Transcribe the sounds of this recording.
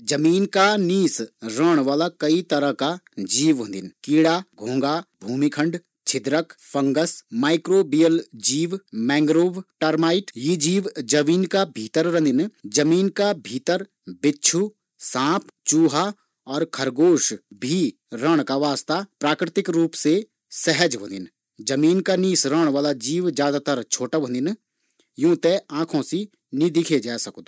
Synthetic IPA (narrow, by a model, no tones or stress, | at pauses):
d͡ʒɐmiːnkaniːsɾəɽ̃ʋaːlakɐit̪ɐɾəɦkad͡ʒiːʋõnd̪ɪnkiːɽaɡʱõːŋɡabʱuːmikʰə̃ɳɖ | t͡ʃʰɪd̪ɾəkfɐ̃ŋɡəsmaːɪkɾoːbijəld͡ʒiːʋmɛ̃ːŋɡɾoːbʈɐɾmaːɪʈjid͡ʒiːʋd͡ʒɐmiːnkabʱiːt̪əɾɾə̃nd̪ɪnd͡ʒɐmiːnkabʱiːt̪əɾ | bɪːt͡ʃʰu | sãːpʰt͡ʃuːɦa | ɔːɾkʰəɾɡoːʃbʱi | ɾəɽ̃kaʋaːst̪apɾaːkɾɪt̪ɪkɾuːpse | sɛɦəd͡ʒɦõ̰nd̪ɪ̰n | d͡ʒɐmiːnkaniːsɾəɽ̃ʋaːlad͡ʒiːʋd͡ʒjaːd̪at̪əɾt͡ʃʰoːʈaʋõnd̪ɪn | jũːt̪eãːkʰõsi | nid̪ɪkʰed͡ʒaːsɐkd̪